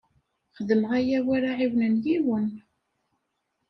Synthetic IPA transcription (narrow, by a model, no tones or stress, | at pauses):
χəðəməʁæjæwaɾaʕiwnənjiwən